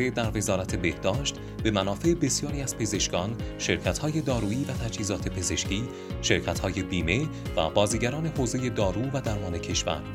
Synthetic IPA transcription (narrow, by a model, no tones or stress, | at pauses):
ed̪æɾve̞zɒːɾæt̪ʰe̞be̞hd̪̥ɒːʃt̪ | be̞mænɒːfe̞ebe̞sijɒːɾiːæz̥pʰe̞ze̞ʃkɒːnʃe̞ɾcʰæt̪hɒːje̞d̪ɒːɾuːiːvæt̪ʰæd͡ʒhiːzɒːt̪ʰe̞pʰe̞ze̞ʃciː | ʃe̞ɾcʰæt̪hɒːje̞biːme̞væ̰bɒːziːɡæɾɒːne̞hoːzeje̞d̪ɒːɾuːvæd̪æɾmɒːne̞cʰe̞ʃvæ̰ɾ